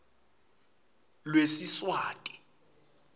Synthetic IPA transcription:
lwesiswaːtʼi̥

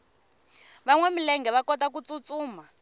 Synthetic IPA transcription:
βaŋwɛmilɛŋɡɛβakɔtakut͡sʼut͡sʼuːma

